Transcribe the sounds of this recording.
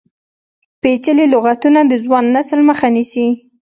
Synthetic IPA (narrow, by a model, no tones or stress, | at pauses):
pet͡ʃəlelʊɣat̪unad̪əzwɑnːasəlməxanisi